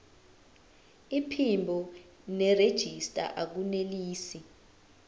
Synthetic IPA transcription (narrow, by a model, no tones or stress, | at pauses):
ipʰimbʱɔ | nɛred̥ʒ̥ʱistʼa̰ʔak̬uneliːsi